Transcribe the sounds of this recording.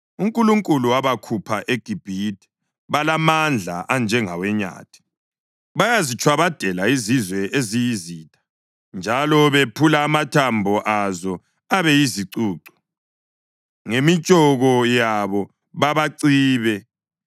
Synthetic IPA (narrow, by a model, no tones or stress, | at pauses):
uŋkʼuluŋkʼuluwaβakʰupʰaʔeɡ̥ʱib̥ʱitʰʼɛ̥ | βalamand͡ɮʱaʔand͡ʒʱɛŋawɛɲa̰ːtʰi̥ | βajazit͡ʃʰʼwaβad̥ʱɛlaizizwɛezijiziːtʰʼḁ | nd͡ʒʱalɔβepʰulaːmatʰambʱɔʔazɔ | aβɛjiziǀuːǀɔ̥ | ŋemit͡ʃʼɔɣɔjaβɔ | βaβaǀiːβɛ